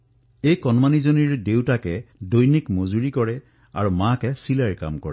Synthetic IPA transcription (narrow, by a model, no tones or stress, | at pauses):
ejkɔnmanizoniɹdewtakɛdojnikmozuɹikɔɹɛ | aɹumakɛsilaɹka̰mkɔ̰ɹɛ̰